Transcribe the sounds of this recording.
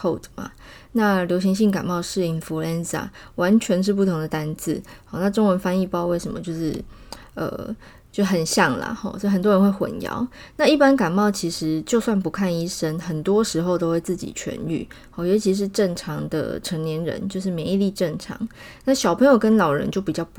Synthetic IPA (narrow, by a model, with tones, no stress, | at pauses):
kʰo˥˩ʊdma̰˩ | na˥˩ljo˧˥ʊɕ̬i˧˥ŋɕi˥˩ŋka˨˩nmɑ˥˧ʊʂɻ̩˥˩i˨˩nfu˧˥lɛ˥nsa̰˩wa˧˥nt͡ɕʰɥɛ˧˥nʂ̬ɻ̩˥˧p̬u˥˩t̪ʰʊ˧˥ŋd̪ə˨t̪a˥nt͡sɹ̩˥˩hɔ˥˩na˥˧ʈ͡ʂo˥ŋwə˧˥nfa˥ni˥˧pɑ˥ʊwe˥˩ɪʂə˧˥mə̰˦t͡ɕjo˥˧ʊʂɻ̩˥˩ | ə̰˨˩ | t͡ɕjo˥˧ʊ˩xə˨˩nɕjɑ˥˩ŋlə̰˩xɔ̰˧˩t͡ɕjo˥˩xə˨˩nt̪wɔ˥ɻə˧˥nxwe˥˩ɪxwə̰˨˩njɑ̰˧˥ʊna˥˧i˥˩pa˥nka˨˩nmɑ˥˩ʊt͡ɕʰi˧˥ʂɻ̩˧˥t͡ɕjo˥˧ʊswa˥˩npu˧˥kʰa˥˩ni˥ʂə˥nxə˨˩nt̪wɔ˦˥ʂɻ̩˧˥xo˧ʊt̪o˥ʊwe˥˧ɪt͡sɹ̩˥˩t͡ɕḭ˨˩t͡ɕʰɥɛ̰˧˥ny̰˥˩hɔ˥˩jɔ˧˥ʊt͡ɕʰi˧˥ʂ̬ɻ̩˥˧ʈ͡ʂə˥˩nʈ͡ʂʰɑ˧˥ŋd̪ə̰˧ʈ͡ʂʰə˧˥ŋnjɛ˧˥nɻə̰˧˦nt͡ɕjo˥˧ʊʂɻ̩˥˩me˧ɪi˥˧li˥˧ʈ͡ʂə˥˩nʈ͡ʂʰɑ̰˧˥˦ŋ | na˥˩ɕjɑ˨˩ʊpʰə˧˥ŋjo˨˩ʊkə˦˥nlɑ˨˩ʊɻə̰˧˥nt͡ɕjo˥˩ʊpi˨˩t͡ɕjɑ˥˧ʊp